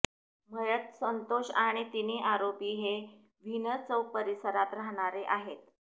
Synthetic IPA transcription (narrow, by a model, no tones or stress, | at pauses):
mʱəjət̪sənt̪oɕaɽ̃it̪iniʔaɾopiːɦe | ʋ̤ʱinət͡səwpəɾisəɾat̪ɾaɦɽ̃aɾeʔaɦet̪